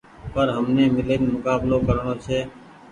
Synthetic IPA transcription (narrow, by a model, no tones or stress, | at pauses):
pəɾɦəmneːmɪleːnmʊkaːbloːkəɾɳ̃oːt͡ʃʰeː